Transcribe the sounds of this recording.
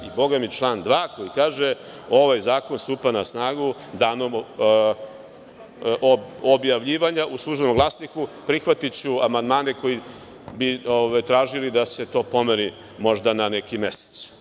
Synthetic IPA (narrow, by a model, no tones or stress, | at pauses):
ibo̞ɡamit͡ʃlˠaːnd̪ʋaːko̞jikaːʒe | o̞ʋajzaːko̞nst̪uːpanasnaːɡud̪aːnom | ʔobjaʋʎiːʋaɲaʔuslˠuʒenomɡlˠasnikupɾixʋat̪it͡ɕuamand̪maːneko̞ji | bioʋajt̪ɾaːʒilid̪ase̞t̪o̞ːpo̞meɾi | mo̞ʐd̪ananekime̞se̥t̪s